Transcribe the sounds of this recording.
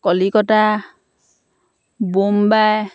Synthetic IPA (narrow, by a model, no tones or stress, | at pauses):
kɔlikɔta | bombaj